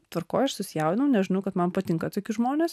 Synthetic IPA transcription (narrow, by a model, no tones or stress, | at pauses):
t̪ʋɐrkoːjɐʃsʊsʲɪjɛʊɪnɐʊnʲɛʒʲɪnɐʊkɐt̪mɐnpɐt̪ʲɪŋkɐt̪oːkʲɪʒmoːnʲeːs